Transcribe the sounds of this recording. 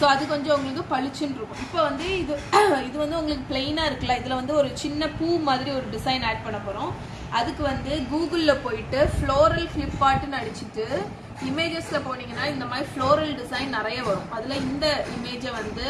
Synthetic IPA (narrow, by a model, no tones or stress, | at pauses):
soːɐðɯkɔɲd͡ʒɔ̃ʊŋɡɐɭɯkːɯ̃pɐɻɪt͡ʃːɯnɾɯkːʊ̃ɪpːoːʋɐnd̪ɯɪðɯɪðɯʋɐnd̪ɯʊŋɡɐɭɯkːɯpɭeɪnaːɪɾɯkːɐlaːɪðɐlɐ̃ʋɐnd̪ɯɔɾɯt͡ʃɪnːɐpuːmaːðɪɾiɔɾɯɖɪsɐɪnaːʈ̚pɐɳːɐpːoːɾʊ̃ː | ʔɐðɯkːɯʋɐnd̪ɯɡuːɡɯllɐpoːjɪʈːɯfɭoːɾɐlfɭɪpːaːʈːɯnɐɽɪt͡ʃːɯʈːɯ | ɪmeːd͡ʒɛslɐpoːɳiːŋɡɐnːaːɪnd̪ɐmaːdɾifɭoːɾɐlɖɪsɐɪnnɪɾɐjɐʋɐɾʊ̃ʔɐðɯlãːɪnd̪ɐɪmeːd͡ʒɐʋɐnd̪ɯ